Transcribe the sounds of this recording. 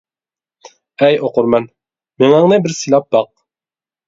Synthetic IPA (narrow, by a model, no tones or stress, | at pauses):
ɛjoquɾmɑn | miŋɑɴnɨbɪɾsɨlˠɑp̚bɑq̚